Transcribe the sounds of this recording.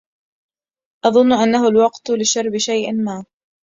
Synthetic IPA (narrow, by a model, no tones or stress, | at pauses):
ʔɑðˤʊnːʊʔanːaɦʊlwɑqt̪lɪʃɑɾˤbɪʃajʔmaː